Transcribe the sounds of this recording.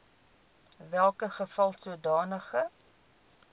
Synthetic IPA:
vælˠkəχəfɐlˠsuədɑːnəχə

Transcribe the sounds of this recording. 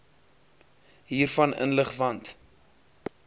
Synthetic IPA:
ɦiːrfɐnə̰nləχvɐnt

